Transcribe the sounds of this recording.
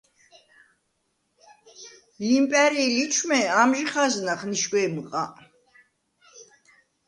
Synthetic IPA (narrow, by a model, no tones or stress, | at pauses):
impʼɛɾiːlit͡ʃʰmɛamʒiχaznaχniʃɡwɛːmqʼa